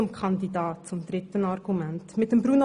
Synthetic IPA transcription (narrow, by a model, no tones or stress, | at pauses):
ʊmkʰɑndidɑːt̚t͡sʊmd̪ɾɪtənɑɾɡ̥umæntmɪt̚ːəmbɾuno